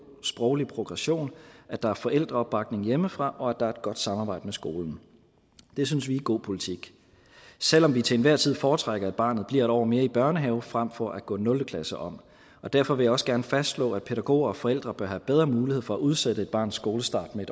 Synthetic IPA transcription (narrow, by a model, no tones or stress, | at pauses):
sb̥ʁɒʊlipʰʁo̝ɡ̥ʁɑɕo̝̰ːnʔæd̥ɑ̈æɐfɒ̽ʔel̰d̥ʁɐɒb̥ɑ̈ɡ̥̚ne̝ŋjeməfʁɑ̈ʔɒ̽æd̥ɑ̈æɐe̝d̥̚ɡ̥ɒ̽d̥sɑ̈mɑbɑ̈ɪ̰d̥əmesɡ̥o̝ːln̩ | d̥e̝s̬ynsʋiːɡ̥o̝̰ːpʰo̝lit͡sʰiɡ̥ | sel̰ɒ̽mʋit͡sʰe̝ːnʋæɐ̰t͡sʰið̰ˠfɒːt͡sʰʁaɡ̥ɐæ̥b̥ɑ̰̈ːnð̞̩ˠb̥liɐ̰e̝ɾɒ̰ɐme̝ːɐib̥ɶɐnəɦɛʊfʁam̰fɒ̽ʔæɡ̥ɔ̰̽ːnɔ̽ld̥əkʰlæsəʔɒ̽m̰ | ɒ̽d̥æɐfɒ̽ʋe̝jɑ̈ɒ̽səɡ̥æɐnəfæsdslɔ̰ːæ̥pʰe̝ɾ̥æɡ̥o̝̰ːɐɒ̽fɒ̽el̰d̥ʁɐb̥ɶɐhæb̥eð̞ˠʁɐmuːlihḛfɒ̽æʔuð̞ˠsed̥əe̝d̥̚b̥ɑ̰̈ːn̩ˠsɡ̥o̝ːləsd̥ɑ̰̈d̥meeɾ